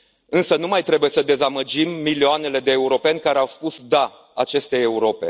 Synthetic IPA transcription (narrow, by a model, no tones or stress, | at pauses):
ɨnsənumajt̪ɾe̞buje̞səd̪e̞zaməd͡ʒimːilioane̞le̞d̪e̞ːuɾo̞pe̞nʲkaɾeawspusd̪a | a̰t͡ʃe̞st̪e̞ːuɾo̞pe̞̰